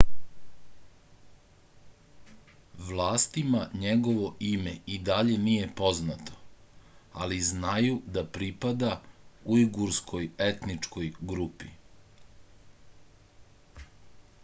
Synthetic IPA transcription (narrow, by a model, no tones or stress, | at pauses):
ʋlˠaːst̪imaɲeɡo̞ʋo̞imeid̪aʎe̞nije̞po̞znat̪o̞̥ | a̰liznajud̪apɾipad̪auiɡuɾskʰo̞je̞t̪nit͡ʂko̞jɡɾupḭ